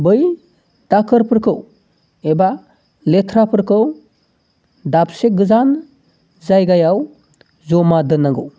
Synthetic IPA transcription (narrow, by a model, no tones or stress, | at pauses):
bɯj | d̥akʰɯɾpʰɯɾkʰɯw | eba | letʰɾapʰɯɾkʰɯw | dapsek̚ɡɯzan | zajɡajaw | zɔmadɯnaŋɡɯw